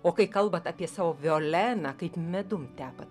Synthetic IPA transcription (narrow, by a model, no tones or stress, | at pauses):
oːkɐɪkɐlˠbɐt̪ɑːpʲiɛsɑːʋoːʋʲɪoːlʲæːnɑːkɐɪpmʲɛd̪ʊmt̪ʲæːpɐt̪